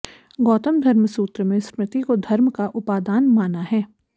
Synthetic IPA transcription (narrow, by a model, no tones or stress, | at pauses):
ɡɔːt̪əmd̪ʱɐɾməsuːt̪ɾəmẽspɾɪt̪ikod̪ʱɐɾmkaʔʊpaːd̪aːnmaːnaɦɛː